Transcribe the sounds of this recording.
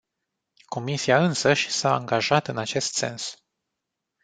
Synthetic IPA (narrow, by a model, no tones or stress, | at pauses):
ko̞misiaɨnsəʃʲsa̰ːŋɡaʒat̪ɨnat͡ʃe̞st̪se̞̰ns